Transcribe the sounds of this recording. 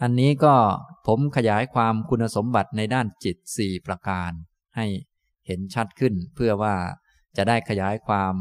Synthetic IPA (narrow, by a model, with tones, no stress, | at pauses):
ʔa˧nːiː˦˥kɔː˥˩pʰo˩˦mkʰa˧jaː˩˦˥jkʰwaː˧mkʰu˧nːa˧so˩˦mba˨˩t̪̚na˧jdaː˥˩nt͡ɕi˨˩t̪̚siː˨˩pɾa˧kaː˧n | ha˥˩j | he˩˦nt͡ɕʰa˦˥t̪̚kʰɯ˥˩npʰɯ˥˩ɐwaː˥˩ | t͡ɕa˨˩daː˥˩jkʰa˧jaː˩˦jkʰwaː˧m